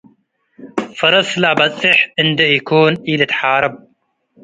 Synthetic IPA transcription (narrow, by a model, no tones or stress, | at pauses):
fɑɾˤɑsˤlabasʼˤɪħʔɪnd̪ajakuːnʔiːlat̪ħɑːɾˤɑb̚